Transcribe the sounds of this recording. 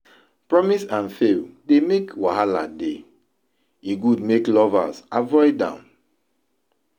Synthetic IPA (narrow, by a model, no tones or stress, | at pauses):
pɹɔmisãnfeldemekwaɦala̰de | iɡud̚meklɔva̰savɔɪdã̰m